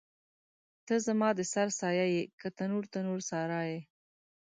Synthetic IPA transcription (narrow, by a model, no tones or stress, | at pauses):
t̪əzamɑd̪əsaɾsɑjajekət̪anuɾt̪anoɾsɑɾɑje